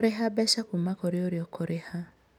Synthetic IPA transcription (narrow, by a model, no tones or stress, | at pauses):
ɾeɦabɛʃakumakɔɾeoɾeɔkʰɔɾeha